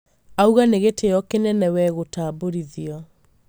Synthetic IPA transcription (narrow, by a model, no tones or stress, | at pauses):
auɣaneɣeteɔkenɛnɛwɛɣotaːboɾiðiɔ